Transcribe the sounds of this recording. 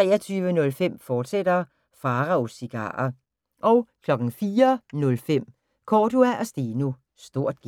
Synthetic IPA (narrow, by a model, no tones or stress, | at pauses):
t͡sʁɛ̰ːɐt͡sʰyːʋənɔ̽lfem̰fɒːd̥sed̥ɐ | fɑ̈ːʁɑ̈osiɡ̥ɑ̰̈ːɐ | ʔɒʊkʰlɒ̽ɡ̥ŋ̩fiːɐnɔ̽lfem̰ | kʰɒːd̥uæʔæsd̥inu | sd̥o̝ɐ̰d̥̚ɡ̥